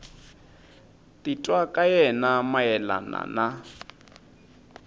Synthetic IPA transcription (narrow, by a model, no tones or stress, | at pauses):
tʼitʼwakʼajɛnamajɛla̰na̰na